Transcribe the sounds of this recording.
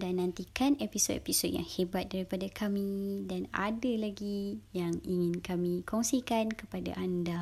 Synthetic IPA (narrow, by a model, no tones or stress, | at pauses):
danãnt̪ikanepisodepisod̚ja̰ŋhebat̪̚daɾipadakʰamĩdana̰dalaɡijaŋiŋɪ̃nkamĩkɔŋsikankəpada̰ʔanda